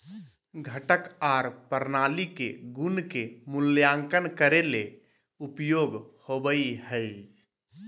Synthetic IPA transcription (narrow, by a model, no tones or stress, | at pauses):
ɡʱəʈəkaɾpəɾnalikḛɡunkemuljaŋkənkəɾele | upjoɡhobəiɦəid͡ʒ